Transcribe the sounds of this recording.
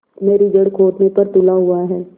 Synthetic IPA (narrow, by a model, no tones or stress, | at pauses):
meːɾid͡ʒɐɽkʰoːʈnepɐɾt̪ʊlaɦʊaɦɛː